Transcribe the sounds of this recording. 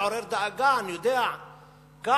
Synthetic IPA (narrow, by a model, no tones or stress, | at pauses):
ɔɾɛɾd̪aɡanjud̪ɛa | ɡ̥a